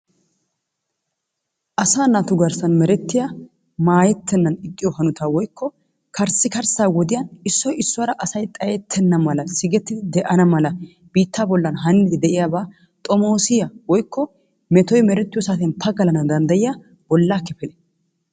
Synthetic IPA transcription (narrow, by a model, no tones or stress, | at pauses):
ʔɐsaːnat̪ʊɡɐɾsɐnmɛɾɛt̪ːɪja | maːjɛt̪ʰːɛnːɐnɪkʼːɪjɔhɐnʊt̪aːwɔjkʰːɔ | kʰɐɾsːɪkɐɾsaːwɔd̪ɪjɐnɪsːɔjɪsːʊwɐɾɐʔɐsɐjt̪ʼɐjɛt̪ʰːɛnːɐmɐlɐsɪɡɛt̪ːɪd̪ɪd̪ɛʔɐnɐmɐlɐ | b̥iːt̪ːaːbɔlːɐnɦɐnːɪd̪ɪd̪ɛʔɪjaːbaː | t̪ʼɔmo̞ːsɪjɐwɔjkʰːɔ | mɛt̪ɔjmɛɾɛt̪ːɪjɔsaːt̪ɛnpʰɐɡɐlɐnɐd̪ɐnd̪ɐjɪja | bɔlːaːkɛfɛlɛ